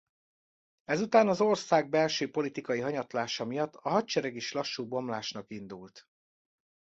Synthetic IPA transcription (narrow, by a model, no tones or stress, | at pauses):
ɛzut̪aːnɒzo̞rsaːɡ̚bɛlʃøːpo̞lit̪ikɒjiɦɒɲɒt̪laːʃɒmijɒt̪ːɒɦɒt̚t͡ʃɛɾɛɡiʃlɒʃːuːbo̞mlaːʃnɒkind̪ult̪